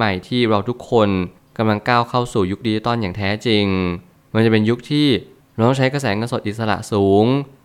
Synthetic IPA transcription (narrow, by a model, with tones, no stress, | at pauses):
ma˨˩jt̪ʰiː˥˩ɾa˧wt̪ʰu˦˥kʰːo˧n | ka˧mla˧ŋkaː˥˩wkʰa˥˩wsuː˨˩ju˦˥k̚diː˧˩t̪ɔː˧˥˩njaː˨˩ŋt̪ʰɛː˦˥t͡ɕi˧ŋ | ma˧nt͡ɕa˨˩pe˧nju˦˥k̚t̪ʰiː˥˩ | ɾa˧t̪ɔ˥˩t͡ɕʰa˦˥jka˧sɛː˩˦ŋɤː˧nso˨˩t̪ʔi˨˩t̪̚sa˧ɾa̰˨˩ʔsuː˩˦ŋ